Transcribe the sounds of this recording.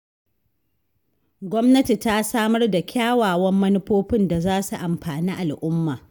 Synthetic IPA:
ɡʷɔ˦mnɐ˦ti˨ta˦saː˦mɐ˦rda˨kʲʰaː˦waː˨wɐ˦mːɐ˦nʊ˦ɸoː˦ɸɪ˦nda˨zaː˦su˨ʔa˨mɸaː˨niː˦ʔa˨lʔʊ˦mːaː˨

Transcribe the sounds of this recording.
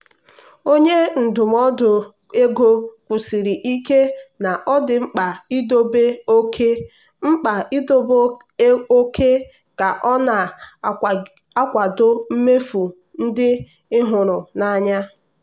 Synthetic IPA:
o˦ɲe˦n̩˨dʊ˨m̩˦ɔ˦dʊ˨ | e˦ɡo˦kʷu˨si˨ɾi˨ʔi˦ke˦na˨ʔɔ˦dɪ˨ŋ͡m̩˦k͡pa˨i˦do˦be˦o˦kʰe˦ | ŋ͡m̩˦k͡pa˨i˦do˦b | o˦ke˦ | ka˨ʔɔ˦na˨ | a˦kʷa˨dʊ˦m̩˦me˦fu˨ | n̩˦dɪ˦ | ɪ˦ɦʊ˨ɾʊ˨na˨ɲa˦

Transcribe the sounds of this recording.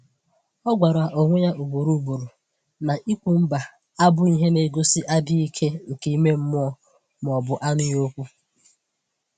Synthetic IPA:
ɔ˦ɡʷa˨ɾa˨ʔo˨ŋʷe˦ja˦ʔu˨bo˨ɾu˦˨bo˨ɾo˨ | na˨ʔi˦kʷu˨m̩˦ba˨ | a˦bʊ˦i˦ɦe˦ne˨ɡo˦sɪ˦ʔa˦bi˦i˦kʰe˦ŋ̩˨ke˨i˦me˦m̩˦mʊ˦ɔ˦ | m˨ɔ˨bʊ˨ʔa˦nʊ˦jo˦kʷu˦

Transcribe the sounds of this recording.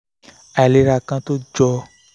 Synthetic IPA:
ɛ˨le˦ɾa˨kã˦t̪o˦d͡ʒɔ˧

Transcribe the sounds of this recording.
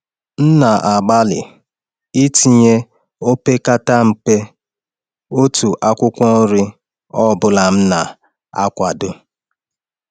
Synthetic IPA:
n̩˦na˨ʔa˨ɡ͡ba˦lɪ̰˨ | i˦ti˨ɲe˦ | o˦pe˦ka˦ta˦m̩˨k͡pe˦ | o˦tu˨ʔa˦kʷʊ˦kʷɔ˦ɾɪ˦ | ɔ˦˨bʊ˨la˨m̩˦na˨ | a̰˦kʷa˨dʊ˦

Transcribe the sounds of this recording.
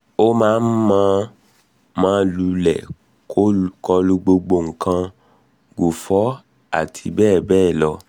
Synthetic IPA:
o˦mãː˦n̩˦mãː˦ | mãː˦lu˧˦lɛ̰˨ | ko˦kɔ˧lu˧ɡ͡bo˧ɡ͡bo˧˨ŋ̩˨kã˧ | ɡo˨fɔ˨˦ | a˦˨tʰi˧bɛː˦˨bɛː˦˨lɔ˧

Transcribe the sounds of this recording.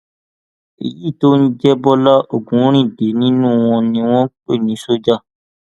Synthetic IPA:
ḛ˨jiː˦˨to˦nĩ˦d͡ʒɛ˦bɔ˦lɔ˦ʔo˦˨ɡũ˨˦ɾ̃ĩ˦˨de˨˦nĩ˦nũ˦˨w̃ɔ̃˧nĩ˧w̃ɔ̃˦k͡pe˦˨nĩ˨˦so˦d͡ʒa˦˨

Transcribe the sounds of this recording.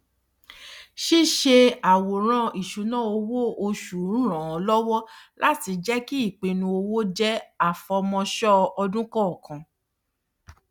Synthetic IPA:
ʃi˦ʃe˧a˨wo˨ɾ̃ã˦i˨ʃu˨˦nã˦˨o˧wo˦o˧ʃu˨˦ɾ̃ã˨ɔ˨˧lɔ˦wɔ˦lʔa˦ti˧d͡ʒɛ˦ki˦i˦˨k͡pe˨˧nũ˧o˧wo˦d͡ʒɛ˦a˦˨fɔ˧mɔ̃˧ʃɔ˦ɔ˧dũ˦kɔ̃˦ɔ˨kã˧

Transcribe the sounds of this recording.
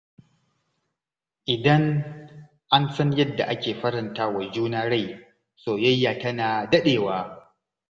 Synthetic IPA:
ʔɪ˨dɐ˦ŋ | ʔa˦nsɐ˦ɲjɐ˦dːa̰˨ʔa˦kʲeː˨ɸɐ˦ɾɪ˨ntaː˦wa˨d͡ʒuː˦naː˦ɽa˦˨j | soː˨jɐ˦jːaː˨tɐ˦naː˨dɐ˦ɗeː˨waː˦

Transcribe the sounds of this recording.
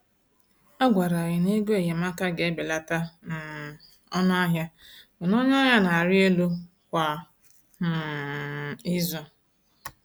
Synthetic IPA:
a˦ɡʷa˨ɾa˨ɣɪ˨ne˦ɡe˦˨je˨ma˦ka˦ɡe˨˦be˨la˨ta˦na˨ | ɔ˦nʊ˦a˦ɦja˦bʊ˨nɔ˦ɲɔ˦ja˦na˨a˨ɾɪ˦e˦lu˦ | kʷa˨˦˨ | i˦zɔ˦

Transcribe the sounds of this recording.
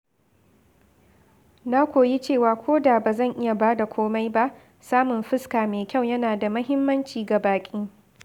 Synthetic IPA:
na˦kʷoː˨ji˦t͡ʃeː˦˨waː˨kʷʰoː˦da˨baː˨zɐ˦˨ŋʔɪ˦ja˨baː˦da˨kʷʰoː˦ma˦jba˦ʔ | saː˦mʊ˨nɸɪ˦skaː˨meː˨kʲa˦˨wjɐ˦naː˨da˨mɐ˦ɦɪ˦mːɐ˦nt͡ʃiː˨ɡa˨baː˨kʲʼiː˦

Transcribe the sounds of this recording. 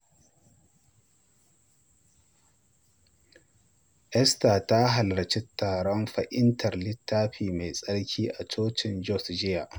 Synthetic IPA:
ʔɛ˦staː˨ta˦ɦa˨lɽɐ˨t͡ʃɛ˦tːaː˨ɽɔ˦mɸɐ˨ʔɪ˦ntʰɐ˨rlɪ˦tːaː˦ɸiː˨me˨sʼɐ˦ɽkʲʰiː˦ʔa˨t͡ʃoː˦t͡ʃɪ˨nd͡ʒɔ˦˨sd͡ʒɪ˦ja˨ʔ

